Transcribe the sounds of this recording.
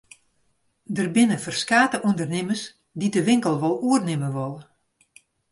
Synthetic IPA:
dərbɪnəfərskaːtəʔundərnɪməs | didəʋɪŋkəlˠʋɔlˠuərnɪməʋɔlˠə

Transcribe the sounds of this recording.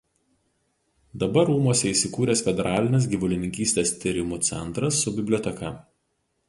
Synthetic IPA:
d̪ɐbɐɾuːmuɔsʲɛiːˑsʲɪkuːɾʲeːsfʲɛd̪ʲɛɾʔɑːlʲɪnʲes̬ɡʲiʋʊlʲɪnʲɪŋʲkʲiːsʲt̪ʲeːst̪ʲiɾʲɪmut̪sʲɛ̰nˑt̪ɾɐsːʊbʲɪbʲlʲoːt̪ʲɛkɐ

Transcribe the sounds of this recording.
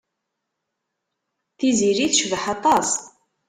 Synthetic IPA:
θiziɾiθʃvəħɑt̪ˤɑs

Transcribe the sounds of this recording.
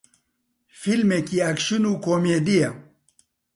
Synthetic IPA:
filmekiɐkʃunukomed̪ija

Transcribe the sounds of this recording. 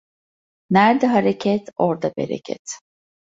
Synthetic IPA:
næɾd̪ɛɦaɾecʰɛt̪oɾd̪abḛɾɛ̰cʰɛ̰t̪

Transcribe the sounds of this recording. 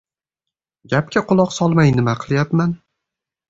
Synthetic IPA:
ɡʲap̚kʲaqʰʊlˠɒqsɒlˠmajnɪmaqʰɨlˠjapman

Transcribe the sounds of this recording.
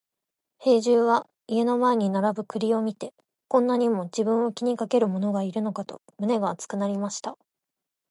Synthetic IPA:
he̞ːʑɨːβa | ie̞no̞mae̞ɲ̟inaɾabɯ̟kɯ̟ɾʲio̞mʲit̪e̞ | kõ̞nːaɲ̟imo̞d͡ʑibɯ̟̃ɰ̃o̞kʲiɲ̟ikake̞ɾɯ̟mo̞no̞ɡaiɾɯ̟no̞kat̪o̞̰mɯ̟ne̞ɡaːt͡sɨ̥kɯ̟naɾʲimaɕi̥t̪a

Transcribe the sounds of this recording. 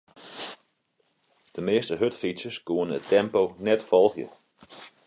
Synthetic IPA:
d̥əmeːstəɦøtfitsjəsɡuənətʰɛmponɛtfɔlˠxjə̰

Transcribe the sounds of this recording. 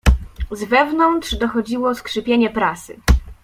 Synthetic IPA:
zvɛvnɔnt̪ʂd̪ɔxɔd͡ʑiwɔskʂɘpʲjeɲɛpɾasɘ̰

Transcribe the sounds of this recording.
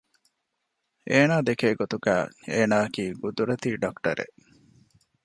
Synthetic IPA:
ʔeːnaːd̪ekeːɡot̪uɡæ̰ːeːnaːɐkiːɡud̪uɾɐt̪iːɖɐkʈɐ̰ɾḛʔ

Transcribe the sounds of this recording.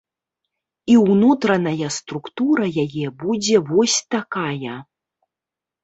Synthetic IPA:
iwnut̪ɾɐnɐjɐst̪ɾukt̪uɾɐjajɛbud͡zʲɛvɔsʲt̪akajɐ

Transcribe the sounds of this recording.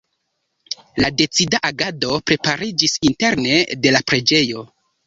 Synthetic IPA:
lade̞t͡sidaʔaɡado̞pɾe̞paɾid͡ʒisinte̞ɾne̞de̞lapɾe̞d͡ʒe̞jo̞

